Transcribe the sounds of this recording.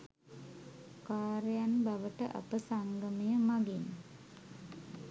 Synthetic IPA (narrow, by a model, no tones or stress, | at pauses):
kaːɾejanbaʋəʈəʔa̰pəsaŋɡəmijəmaɡin